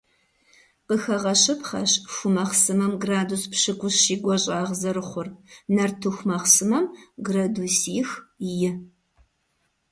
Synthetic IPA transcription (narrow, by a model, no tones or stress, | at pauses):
pɨxɐʁɐɕɨpχɐ̰ɕfumɐχsɨmɐmɡraːduspɕɨkʷʊsʃiːɡʷɔɕʼaːʁzɐɾɨχʷʊrnɐrtʰuxʷmɐχsɨmɐmɡrɐdusiːxjɪ